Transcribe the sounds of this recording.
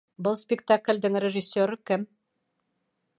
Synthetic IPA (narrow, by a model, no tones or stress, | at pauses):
bɤlˠspʲɪkt̪aklʲd̪ɘŋrʲeʒɨsʲːoɾɤkɘm